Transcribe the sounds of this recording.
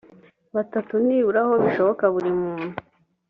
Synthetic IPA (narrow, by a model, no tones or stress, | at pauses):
βatatuniːβuɾaho̞βiʃo̞βokaβuɾimuːn̥hu